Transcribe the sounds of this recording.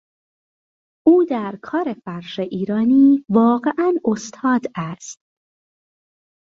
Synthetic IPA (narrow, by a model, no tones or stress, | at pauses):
ʔuːd̪æɾkʰɒːɾe̞fæɾʃeʔiːɾɒːniːvɒːɣe̞ʔænost̪ʰɒːd̪æst̪